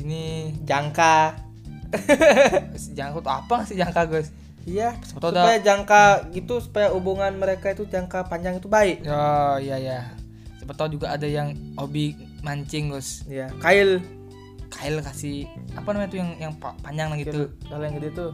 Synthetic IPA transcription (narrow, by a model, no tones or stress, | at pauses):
inid͡ʒaŋka | sd͡ʒaŋkat̪ua̰paŋasid͡ʒaŋkaɡʊs | ijasəpət̪audapajad͡ʒaŋkaɡit̪usu̥pajaubuŋanməɾekait̪ud͡ʒaŋkapaɲd͡ʒaŋit̪ubaɪʔaijaja | səpət̪ad͡ʒuɡaːdajaŋobi | maɲt͡ʃɪŋɡʊsjakaɪl | kaɪlkasɪhapanamaɲat̪ujaŋjaŋpapaɲd͡ʒaŋlaɡit̪ukaloaŋɡədit̪u